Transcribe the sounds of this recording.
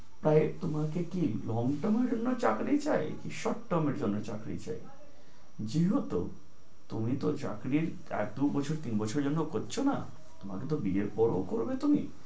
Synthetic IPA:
pɾaet̪omakekilɔŋɡʈɔmeɾd͡ʑonːot͡ɕakɾit͡ɕaekiʃɔʈʈɔmeɾd͡ʑonːot͡ɕakɾḭt͡ɕa̰e | d͡ʑiɦot̪o̰ | t̪umit̪ot͡ɕa̰kɾiɾ | ɛ̰k̚d̪ubɔt͡ɕʰoɾt̪inbɔt͡ɕʰoɾd͡ʑonːokoɾt͡ɕʰona̰ | t̪oma̰ket̪obieɾpɔɾo̰koɾbet̪umi

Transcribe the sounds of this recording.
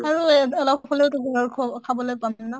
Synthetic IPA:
aɹuɔlɔp̚ʰɔkʰɔleʊtuɡɔkʰɔkʰabɔlojpamina

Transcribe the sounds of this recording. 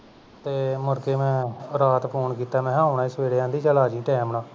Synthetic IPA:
t̪eːmʊɾkeːmɛ̃ːɾaːt̪pʰoːnkiːt̪aːmɛ̃ːɦãːʊɳaːɪsʋeːɽejãːd̪iːt͡ʃəlaːd͡ʒĩːʈɛːmnãː

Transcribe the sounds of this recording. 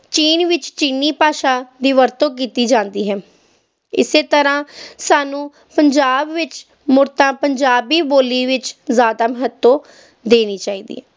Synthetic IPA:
t͡ʃiːnʋɪt͡ʃt͡ʃiːniːpaːʃaːd̪iːʋəɾt̪õːk̬iːt̪iːd͡ʒãːnd̪iːɦɛː | ɪ̰seːt̪əɾãːsaːnũː | pəɲd͡ʒaːbʋɪt͡ʃ | mʊɾt̪ãːpəɲd͡ʒaːbiːboːliːʋɪt͡ʃzjaːd̪aːməɦət̪ːõː | d̪eːniːt͡ʃaːiːd̪ḭːɛː

